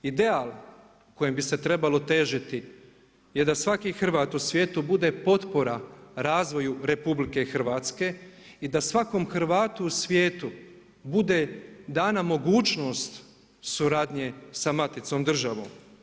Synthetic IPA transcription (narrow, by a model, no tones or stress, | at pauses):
id̪e̞aːlˠ | ko̞jembise̞t̪ɾe̞balo̞t̪e̞ːʒit̪i | jed̪asʋakixr̩ʋaːt̪usʋʲjeːt̪ubud̪e̞po̞t̪po̞ɾaɾaːzʋo̞juɾe̞publike̞xr̩ʋaːt̪ske̞id̪asʋako̞mxr̩ʋaːt̪uːsʋjeːt̪u | bud̪e̞d̪aːnamo̞ɡuːt͡ʃno̞ːst̪ | suɾaːd̪ɲe̞samat̪it̪so̞md̪r̩ʒaʋo̞̰m